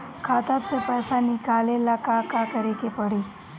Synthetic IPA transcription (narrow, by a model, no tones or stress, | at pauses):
kʰat̪at̪epəsaniɡʱalelakakakəɾikepəɽi